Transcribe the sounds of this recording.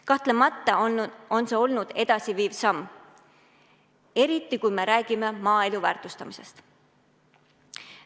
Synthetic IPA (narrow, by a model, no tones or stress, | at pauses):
kɑht̪lemɑt̪ːˑɑo̞nseo̞lnud̪̥e̞d̪̥ɑsiviːvsɑmː | e̞ɾit̪ːˑikujme̞ɾæːɡ̥ime̞mɑːe̞luvæːrt̪ˑust̪ɑmise̞st̪